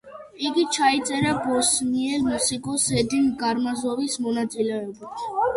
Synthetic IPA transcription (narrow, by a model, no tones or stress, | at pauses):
iɡit͡ʃʰɑjt͡sʼɛɾəbɔsniɛlmusikʼɔsɛd̪inɡɑɾmɑzɔvismɔnɑt͡sʼilajɔbit͡s